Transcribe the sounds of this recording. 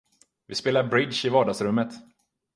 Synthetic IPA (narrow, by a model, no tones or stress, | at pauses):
vɪspeːlaɾbɾɪd̪ʃɪvɑːɖasɾɵmːət̪